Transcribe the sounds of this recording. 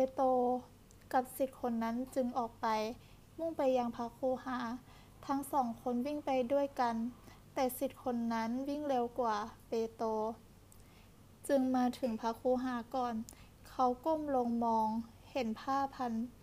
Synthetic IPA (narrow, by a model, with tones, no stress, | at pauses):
peː˧t̪oː˧ | ka˧p̚si˨˧˩t̪̚kʰo˧nːa˦˥˨nt͡ɕɯ˧ŋʔɔː˨˩k̚pa˨j | mu˥˨ŋpa˨jːaː˧ŋpʰa˧˥kʰuː˧˥˦haː˩˦ | t̪ʰa˦˥ŋsɔː˨˩˦ŋkʰo˧˥˨nwi˥˩˨ŋpa˨jdu˥˩ə˨jka˧˨n | t̪ɛː˧˩si˧˩t̪̚kʰo˧˥nːa˦˥nwi˥˨ŋlɛː˧wkwaː˧˩peː˨˧˦t̪oː˧ | t͡ɕɯ˧ŋmaː˧t̪ʰɯ˨˩˦ŋpʰa˧˥kʰuː˧˦ɦaː˨˦kɔː˨˩n | kʰa˧˩wko˥˨mlo˧ŋmɔː˧ŋ | he˨˩˦npʰaː˧˥˩pʰa˧˥n